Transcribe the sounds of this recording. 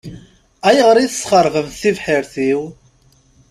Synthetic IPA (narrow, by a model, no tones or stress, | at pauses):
æjəʁəɾˤiθəsχəɾˤʁəmθivħiɾθiw